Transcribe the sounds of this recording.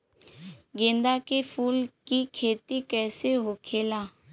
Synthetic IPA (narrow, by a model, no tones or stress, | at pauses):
ɡẽːnd̪akefʰuːlkikʰeːt̪ikɛːseɦokʰeːlaː